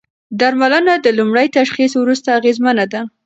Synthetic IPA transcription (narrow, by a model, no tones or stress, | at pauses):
d̪aɾmalənad̪əlumɽəjt̪aʃχiswɾust̪aːɣezmanad̪a